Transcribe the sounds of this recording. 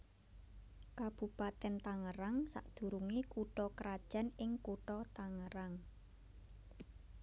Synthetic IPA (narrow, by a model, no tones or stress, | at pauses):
kab̥ṳpat̪ɛnt̪aŋəɾaŋsa̰ʔd̪̥ṳɾuŋekuʈɔkəɾad̥ʒ̥a̤nɪŋkuʈɔt̪aŋəɾaŋ